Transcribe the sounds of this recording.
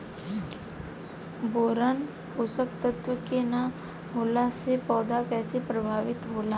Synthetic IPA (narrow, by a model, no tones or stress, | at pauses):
boːɾan | ɦʊsəkt̪ət̪wəkena | ɦoːlasepɔːd̪ʱakɛːsepɾəbʱaːʋɪt̪ɦoːlaː